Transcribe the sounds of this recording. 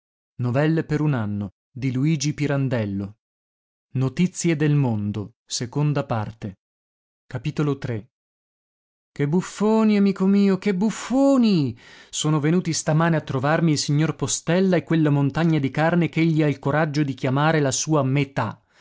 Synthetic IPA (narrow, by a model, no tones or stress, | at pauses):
novɛlːepeɾunanːo | d̪iluiːd͡ʒipiɾand̪ɛlːo | not̪it̪sːjed̪elmond̪o | sekond̪apart̪e | kapit̪olot̪ɾe | kebːufːoːniamiːkomiːokebːufːoːnisoːnovenuːt̪ist̪amaːneat̪ːɾovarmiːlsiɲːorpost̪ɛlːaekːwelːamont̪aɲːad̪ikarnekeʎːiailkoɾad͡ʒːod̪ik̟jamaːɾelasuːamet̪a